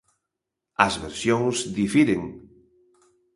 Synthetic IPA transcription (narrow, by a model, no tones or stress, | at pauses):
ɐzβeɾsjoŋsðifiɾeŋ